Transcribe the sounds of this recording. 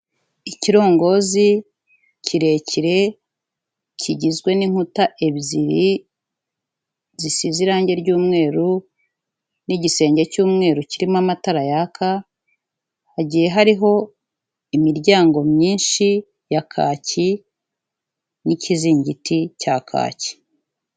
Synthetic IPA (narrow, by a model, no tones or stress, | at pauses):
iciɾo̞ːŋɡo̞zi | cʰiɾe̞ːcʰiɾe̞ | cʰiɟizɡwe̞niŋutaʔeβziɾi | zisiziɾaːɲɟe̞ɾɟuːmŋe̞ːɾu | niɟise̞ːɲɟe̞cuːmŋe̞ːɾuciɾimamataɾajakʰa | aɟije̞ɦaɾiɦo̞ | imiɾɟaːŋɡo̞mɲiːnʃi | jakʰa̰ːci | nicʰiziːɲɟitʰicakʰa̰ːci̥